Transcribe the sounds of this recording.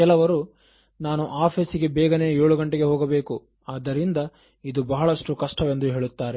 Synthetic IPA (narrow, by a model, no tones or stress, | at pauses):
kɛlɐʋɐɾu | naːnuʔaːpʰesiɡe̞bɛːɡɐne̞ːjoːɭuɡɐɳʈeɡe̞ɦoːɡɐbe̞ːku | aːd̪ːɐɾind̪ɐ | id̪ubɐɦɐɭɐʂʈukɐʂʈɐʋe̞nd̪uɦe̞ːɭut̪ːaːɾe